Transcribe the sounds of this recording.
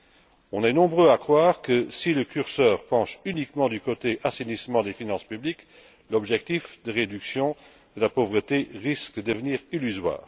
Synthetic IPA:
ɔ̃nɛnɔ̃bʁøakχwaːʁkəsiləkyʁsœːʁpɑ̃ʃynikmɑ̃d̪ykot̪eʔasenismɑ̃d̪efinɑ̃spyblik | lɔbʒɛk̚t̪ifd̪əʁed̪yksjɔ̃ | d̪əlapovʁət̪eʁisk̚əd̪əvəniːʁilyzwa̰ːʁ

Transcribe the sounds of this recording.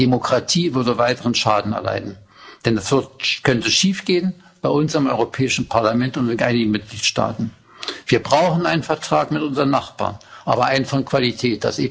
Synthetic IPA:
d̥emokʁ̥atʰiːvʏɐdəvaɪtəʁənʃaːdn̩ɛ̰ɐla̰ɪdn̩ | d̥ɛndasv̥ɪɐtkʰœntəʃiːfɡ̥eːən | b̥aɪʔʊnsɪmʔɔ̰ʏʁopʰɛːɪʃn̩pʰaɐlamɛntʊntveːɡnʔaɪnɪɡŋ̩mɪt̚ɡ̥liːtʃta̰ːtn̩ | v̥iːɐbʁaʊχn̩aɪnənfɛɐtʁ̥aːkmɪtʔʊnzəʁənːaχb̥a̰ːnʔa̰ːbɐʔaɪnəfɔnkv̥alitʰɛːt̚d̥a̰seː

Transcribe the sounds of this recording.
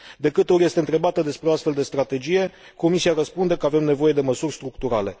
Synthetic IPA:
d̪e̞kɨt̪eorje̞st̪e̞ɨnt̪ɾe̞bat̪əd̪e̞spɾeoast̪fe̞ld̪e̞st̪ɾat̪e̞d͡ʒije̞ | ko̞misiaɾəspund̪e̞kəave̞mne̞vo̞je̞d̪e̞məsurʲst̪ɾukt̪uɾale̞

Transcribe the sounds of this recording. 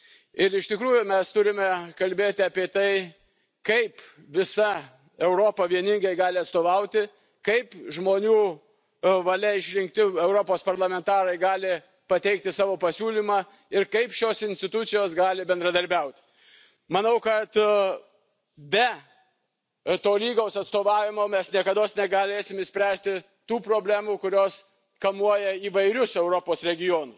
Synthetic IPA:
ɪɾɪʃt̪ʲɪkɾuːjʊmʲɛst̪ʊɾʲɪmʲɛkɐlʲbʲeːt̪ʲɪɐːpʲiɛt̪ɐɪ | kɐɪp | ʋʲɪsɐ | ɛʊɾoːpɐʋʲiɛnʲɪŋɡɐɪɡɑːlʲɪɐt̪st̪oːʋɐʊt̪ʲɪ | kɐɪpʒmoːnʲuː | ʋɐlʲɛɪʃʲɾʲɪŋkt̪ʲɪɛʊɾopoːspɐɾlˠɐmʲɛnt̪ɑːɾɐɪɡɑːlʲɪ | pɐt̪ʲɛɪk̚t̪ʲɪsɑːʋoːpɐsʲuːlʲiːmɑː | ɪɾkɐɪpʃʲoːsɪnʲsʲt̪ʲɪt̪ʊt̪sʲɪjoːsɡɑːlʲɪbʲɛnd̪ɾɐd̪ɐɾʲbʲɛʊt̪ʲ | mɐnɐʊkɐt̪ | bʲɛ | t̪oːlʲiːɡoʊsɐt̪st̪oːʋɑːʋʲɪmoːmʲɛsnʲiɛkɐd̪oːsnʲɛɡɐlʲeːsʲɪmɪʃsʲpʲɾʲæːsʲt̪ʲɪ | t̪uːpɾoːbʲlʲæːmuːkʊɾʲoːs | kɐmuɔjɛiːʋɐɪɾʲʊsɛʊɾopoːsɾʲɛɡʲɪjoːnʊs

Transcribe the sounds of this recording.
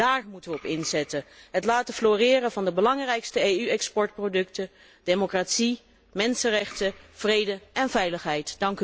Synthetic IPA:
daːrmutəʋəɔpɪnzɛtəɦətlaːtəfloːrɪːɾəvɑndəbəlɑŋrɛjkstəeyɛkspɔɹt̚prodɵktə | d̥emokraːtsi | mɛnsənrɛχtəv̥rejdəʔɛnvɛjləχɦɛjtd̥ɑŋk

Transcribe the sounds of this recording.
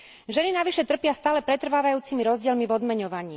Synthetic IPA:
ʒɛninaʋiʃɛt̪r̩pɪast̪aːlɛpɾɛt̪r̩ʋaːʋajuːt͡simiɾɔzɟɪɛlmivɔd̪mɛɲɔʋaɲiː

